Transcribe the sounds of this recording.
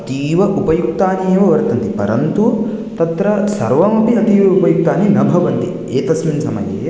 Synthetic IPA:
ɐt̪iːʋɐʔupɐjuk̚t̪aːnijɐʋɐʋɐɾt̪ɐnt̪ipɐɾɐnt̪u | t̪ɐt̪ɾɐsɐɾʋɐmɐpiɐt̪iːʋɐupɐjuk̚t̪aːninɐbʱɐʋɐnt̪i | eːt̪ɐsminsɐmɐ̰jḛː

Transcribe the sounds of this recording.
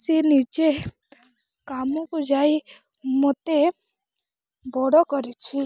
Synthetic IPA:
sinit͡ʃe | kaːmõkod͡ʒaːi | mɔt̪e | bɔɽɔkɔɾit͡ʃʰi

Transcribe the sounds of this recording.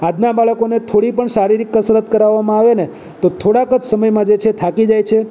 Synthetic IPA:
ad̪nabaɭəkonet̪ʰoɽipəɳʃaɾiɾikːəsɾət̪kəɾaʋːamãaʋene | t̪ot̪ʰoɽakət͡ʃʰsəməjmãd͡ʒet͡ʃʰet̪ʰakid͡ʒajt͡ʃʰe

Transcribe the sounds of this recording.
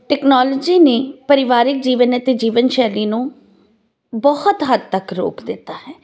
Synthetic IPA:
ʈɛːknaːlɔd͡ʒiːneːpəɾɪʋaːɾɪk̚d͡ʒiːʋənət̪ed͡ʒiːʋənʃɛːliːnũː | bɔhʊt̪ɦəd̪̚t̪əkɾo̰ːkd̪ɪt̪ːaːhɛː

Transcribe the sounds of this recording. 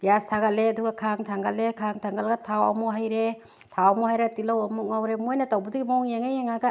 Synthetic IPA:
jastʰaɡaleaduɡakʰaŋtʰaŋɡalekʰaŋtʰaŋɡalɡatʰawa̰mɔɦajɾe | tʰawamɔhajɾatilawamuk̚ŋawɾemojnɐtawbaduɡimaŋjeŋajeŋaɡa

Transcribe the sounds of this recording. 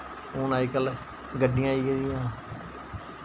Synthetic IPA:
oːnaːiːkəl | ɡəɖɪ̃jãːiːɡeːd̪ɪjãː

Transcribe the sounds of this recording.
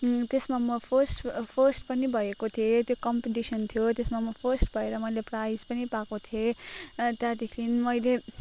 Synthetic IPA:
t̪esmamʌpʰʌsʈpʰʌsʈpʌnibʱʌekot̪ʰiet̪jokʌmpeʈisʌnt̪ʰjot̪esmamʌpʰʌsʈbʱʌeɾʌmʌjleprajspʌnipakot̪ʰje | t̪jat̪ikʰinimʌjle

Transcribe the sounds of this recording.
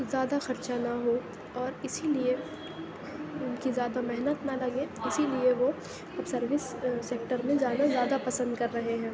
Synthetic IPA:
zjaːd̪axɐɾt͡ʃanaɦo | ɔːɾɪsilie | ʊnkizjaːd̪amɛɦnət̪nalɐɡeɪsilieʋo | ɐbsɐɾʋɪsːeːk̚ʈəɾmẽd͡ʒaːnazjaːd̪apɐsə̃nd̪̚kɐɾːɐɦeɦɛ̃ː

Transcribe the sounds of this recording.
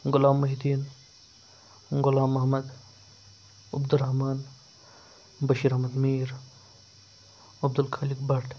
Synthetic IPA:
ɡʊlaːmːɐɦid̪iːn | ɡʊlaːmɐɦmɐd̪ | ɐbd̪uɾɐɦmaːn | bɐʃiːɾɐɦmɐd̪miːɾ | ɐb̚d̪ulkʰaːlikbɐɾʈʰ

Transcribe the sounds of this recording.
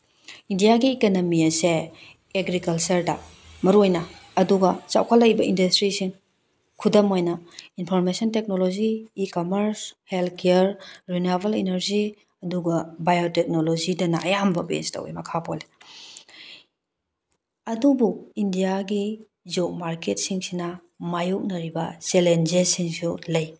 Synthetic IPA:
indijaɡiːkɐnɐmiɐse | eɡɾikɐlt͡ʃɐɾdɐ̰ | mɐɾojnɐːduɡɐt͡ʃa̰wkʰalːɐkjbɐindɐstɾisiŋ | kʰudɐmojnɐinpʰoɾmesɐntek̚nolod͡ʒiːkomɐɾshelt̚kʰeɾɾinobɐlinɐɾzi | ɐduɡɐbajotek̚nolozidɐnɐɐjambɐbḛstɐ̰wḭmɐkʰapʰole | ɐdubuindijaɡi | zok̚maɾket̚siŋsinɐ | majuk̚nɐɾibɐt͡ʃelend͡ʒesiŋsulɐj

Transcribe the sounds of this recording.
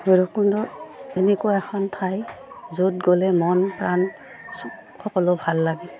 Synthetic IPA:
ɡɔɹɔkundɔenɛkuwaɛxʰɔntʰajzut̚ɡɔlɛmɔnpɹan | xɔkɔlɔbʱalːaɡɛ

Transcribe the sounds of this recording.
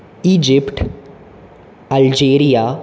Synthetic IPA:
iːd͡ʒɪpʈ | əld͡ʒeːɾijaː

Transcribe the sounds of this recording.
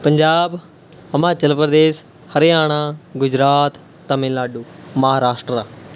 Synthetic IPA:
pəɲd͡ʒaːb | əmaːt͡ʃəlpɾəd̪eːs | həɾeaːɽ̃ãːɡʊd͡ʒɾaːt̪ː | əmẽːlaːɖuːməɦaːɾaːsʈɾəɾaː

